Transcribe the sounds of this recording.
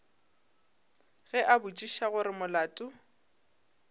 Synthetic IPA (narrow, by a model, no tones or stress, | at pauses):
ɣɛʔabʊt͡ʃʼiʃaɣʊɾɪmʊlaːtʼʊ